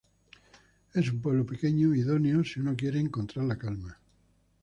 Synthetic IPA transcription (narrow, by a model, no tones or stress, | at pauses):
esumpwelopekeɲoiðoneosiunokje̞ɾeːŋkont̪ɾaɾlakalma